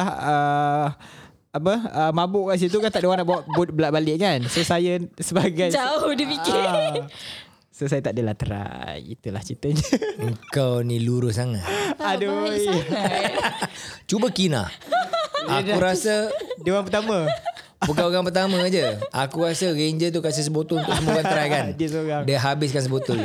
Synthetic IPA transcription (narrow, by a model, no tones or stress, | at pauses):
ahə | apəəmãbʊʔkaʔs̬it̪̬ukant̪aʔdewanaʔbawaʔ̚bʊt̪̚bəlaʔbalɪʔkansosajəsəbaɡajt͡ʃaodipiki | sosajət̪aʔdəlat̪əɾa̰jḭt̪ula̰ht͡ʃit̪əɲəəŋkawniluɾʊssaŋa̰t̪adu | t͡ʃubəkina̰ | aukɾasədewanpərt̪amə̃ | bukaoɣaŋpərt̪amə̃ad͡ʒəʔakuɾasəɣeɲd͡ʒət̪̬ukas̬əs̬əbot̪ʊunt̪ʊʔksəmukanəɾajkandiəsoɣaŋdiəɦabɪs̬kansəbot̪ʊl